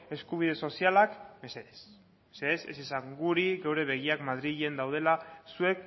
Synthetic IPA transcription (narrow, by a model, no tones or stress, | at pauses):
e̞skuβ̞iðe̞so̞sialakbeses | eseese̞̰sisaŋɡuɾiɣewɾe̞β̞e̞ɣiakmað̞ɾiʎend̪awð̞e̞lasue̞k